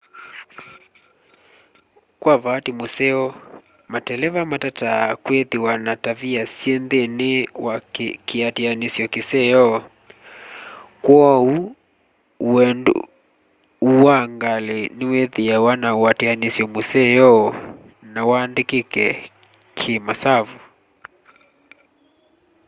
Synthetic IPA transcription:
kwavatimusɛɔ | matɛlɛvamatatakweðiwanataviasɛndenɪwakiatianisjɔkisɛjɔ | kwɔu | ɛn̰ | uwaŋɡalenɪweðijawanawatianisjɔmusɛjɔ | nawandikikɛ | kʰimasavu

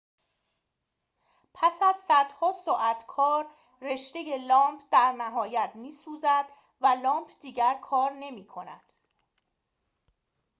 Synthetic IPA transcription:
pʰæsæzsæd̪̥hɒːsɒːʔæt̪ʰkʰɒːɾː | e̞ʃd̪e̞je̞lɒːmpʰd̪̥æɾnæɦɒːjæt̪miːsuːzæd̪̥ | vælɒːmpʰd̪iːɟæɾkʰɒːɾne̞miːkʰonæ̰d̪̥

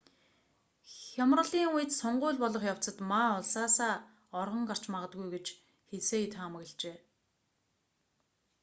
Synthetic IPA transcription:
xʲamrə̆ɮiːŋujɘ̆t̪sɔɴɢʊːɮpɔɮɞ̆χjaw̥t͡sə̆t̪maʊɮsaːsaː | ɔrʁɞ̆ɴɢar̥t͡ɕmaʁə̆t̪̚ɡujɡet͡ɕ | xeseːet̪χamə̆ɣ̆ɮt͡ɕeː

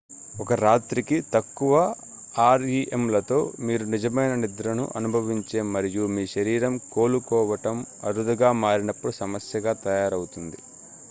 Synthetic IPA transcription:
ɔkɐɾaːt̪ɾikit̪ɐkːuʋɐ | aːɾiʔemlɐt̪o̞̰ːmiːɾunid͡ʒɐmɐjnɐnid̪ɾɐnṵʔɐnubʱɐʋiɲt͡ʃe̞ːmɐɾijumiːʃɐɾiːɾɐmko̞ːlukɔːʋɐʈɐmɐɾud̪ɐɡaːmaːɾinɐpːuɽusɐmɐsjɐɡaːt̪ɐjaːɾɐwut̪und̪ḭ

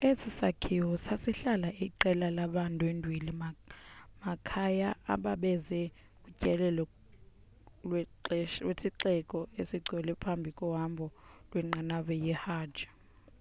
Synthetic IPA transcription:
esisakʰiwɔsasiɬalaʔiǃɛlalaɓantʼwendʱwilimamakʰajaa̰ɓaɓɛzɛ | kʼucʼɛlɛlɔ | lwɛlwesiǃɛkʼɔesiɡ͡ǀʱwɛlɛpʰambʱikʼɔɦambʱɔlwɛŋ͡ǃanaɓɛjɛhḁːd͡ʒ̥ʱḁ

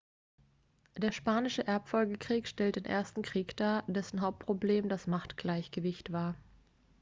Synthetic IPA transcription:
d̥eːɐʃpaːnɪʃəʔɛɐpfɔlɡəkʁ̥iːkʃtɛlt̚d̥eːnʔḛɐstn̩kʁ̥iːkd̥aːdɛsn̩ɦaʊp̚t̚pʁ̥obleːmdasmaχtɡ̥laɪçɡ̥əvɪçtv̥aːɐ

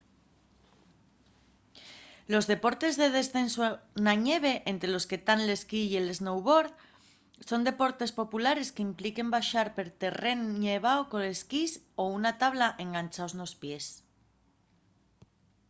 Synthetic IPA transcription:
lo̞zðe̞po̞ɾt̪e̞zðe̞ð̞e̞sθe̞nsonaɲeβ̞e̞ʔent̪ɾelo̞ske̞t̪anle̞skiele̞znowβo̞ɾð | so̞nd̪e̞po̞ɾt̪e̞spo̞pulaɾe̞skeimplike̞mbaʃaɾpe̞ɾt̪e̞re̞nɲeβ̞aokole̞skis | ounat̪aβlaʔe̞ŋɡant͡ʃaozno̞spje̞s

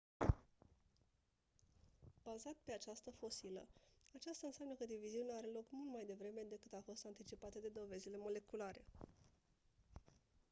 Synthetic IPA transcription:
b̥azat̪pe̞at͡ʃast̪əfo̞silə̰at͡ʃast̪aɨnsʲamnəkəd̪iviziuneaɾe̞lo̞kmult̪majd̪e̞vɾe̞me̞d̪e̞kɨt̪afo̞st̪ant̪it͡ʃipat̪əd̪e̞d̪o̞ve̞zile̞mo̞le̞kulaɾe̞̰

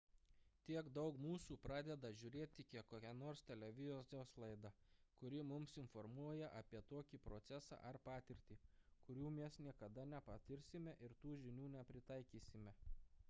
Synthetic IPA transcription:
t̪ʲiɛɡd̪ɒʊkmuːsuːpɾɑːd̪ʲɛd̪ɐʒʲʊɾʲeːt̪ʲːɪkʲiɛkkːoːkʲɛnoːɾst̪ʲɛlʲɛʋʲɪzʲoːsʲoːslˠɐɪd̪ɐkʊɾʲɪmʊmsɪnfɔɾmuɔjɛʔɐpʲiɛt̪oːkʲiːˑpɾoːt̪sʲɛsɑ̰ːʔɐɾpɑːt̪ʲɪɾʲt̪ʲiːkʊɾʲuːmʲɛsnʲiɛkɐd̪ɐnʲɛpɐt̪ʲɪɾʲsʲɪmʲɛʔɪɾt̪uːʒʲɪnʲuːnʲɛpʲɾʲɪt̪ɑɪkʲiːsʲɪmʲɛ

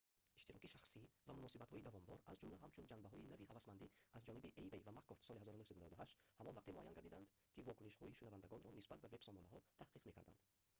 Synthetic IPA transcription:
iʃt̪iɾɔkiʃaχsivamunɔsibat̪hɔid̪avɔmd̪ɔɾazd͡ʒumlæɦamt͡ʃʰund͡ʒanbaɦɔjinaviɦavasmand̪iazd͡ʒɔnibiʔejvejvamakːɔɾt̪sɔlihazɔɾunuhsad̪unavad̪uɦaʃt̪hamɔnvaqt̪imɔʔajanɡaɾd̪id̪and̪ | kʰivɔkuniʃhɔiʃunavand̪aɡɔnɾɔnisbat̪̚bave̞b̥sɔmɔnaɦɔt̪ʰahqʰiqme̞kʰaɾd̪a̰nd̪

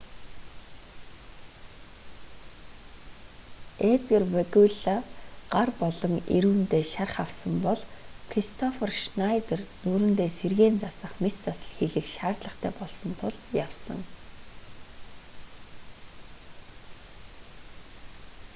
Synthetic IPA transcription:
et̪ɡerwæɣuɮaɢ̥arpɔɮɞ̆ŋḛɾuːnt̪eːʃarχawsə̆mpɔɮkʰrist̪ʰɔferʃnajt̪ernuːɾɘ̆nt̪eːserɣeːnt͡sasə̆χmist͡sasə̥̆ɮxeɮɘ̆kʃaːrt̪ɮə̆χt̪ʰæ̰ːpɔɮsɞ̆nt̪ʰʊɮjawsə̰̆ŋ

